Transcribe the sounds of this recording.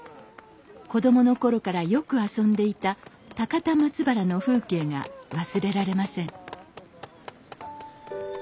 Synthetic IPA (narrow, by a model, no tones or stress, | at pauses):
ko̞d̪o̞mo̞no̞ko̞ɾo̞kaɾajo̞kɯ̟asõ̞nd̪e̞it̪a | t̪akat̪amat͡sɨbaɾano̞ɸɯ̟ːke̞ːŋa̰βasɨɾe̞ɾaɾe̞masẽ̞ŋ